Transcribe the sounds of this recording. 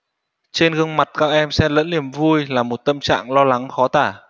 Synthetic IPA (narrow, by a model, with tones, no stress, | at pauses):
t͡ɕe˧nɣɨ˧əŋma˨˩t̚kaː˦˥k̚ʔɛ˧msɛ˧lə̰˧˥nli˧˩əmvu˧jlaː˨˩mo˨˩t̚t̪ə˧mt͡ɕa̰ː˧˨ŋlɔ˧la˨˦ŋxɔ˨˦t̪aː˧˩